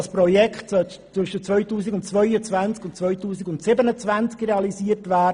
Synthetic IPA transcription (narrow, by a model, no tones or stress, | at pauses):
ɑspɾɔjɛkχtsœ | t͡sʋʏʃət͡sʋœɥtuːsiɡʊntt͡sʋœʏət͡sʋænt͡skʊntt͡sʋœʏtuːsiɡʊntsɪbənət͡svænt͡skrɛɑlisiːəɾtvæː